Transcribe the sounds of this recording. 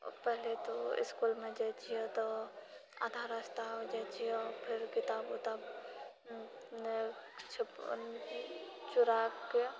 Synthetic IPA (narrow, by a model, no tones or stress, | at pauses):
pɛɦlet̪oɪ̰skuːlmẽd͡ʒat͡ʃʰiet̪o | a̰ːd̪ʱaɾast̪aɦod͡ʒat͡ʃiɔɾpʰɪɾkɪt̪aːbot̪aːb | t͡ʃʰ | t͡ʃʊɾaːke